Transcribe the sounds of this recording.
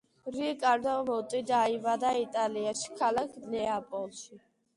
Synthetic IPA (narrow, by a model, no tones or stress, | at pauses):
ɾikʼaɾd̪amɔt̪ʼid̪aivad̪ait̪ʼaliaʃi̥kʰalakʰnɛapʼɔlˠʃi